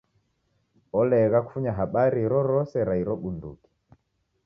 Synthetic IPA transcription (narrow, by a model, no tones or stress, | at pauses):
ɔlɛɣaku̥fuɲaɦaɓaɾiɾɔɾɔsɛɾaiɾɔɓundṵki̥